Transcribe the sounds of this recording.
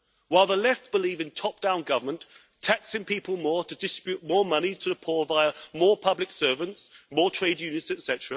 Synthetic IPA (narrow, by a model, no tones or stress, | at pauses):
waɪlˠðəlɛftb̥ɪliːvɪ̃ntʰɒp̚d̥ãʊ̃nɡʌvəmə̃nʔ | tʰæksɪ̃ŋpʰiˑpəlˠmɔɹɾʰədɪstb̥jʉt̚mɔːɹmʌnitʰəðəpʰɔːvaɪəmɔːpʰʌblɪksɜːvə̃ntsmɔːtʰɹ̥eɪdjʉnɪtsɨtsɛtəɹə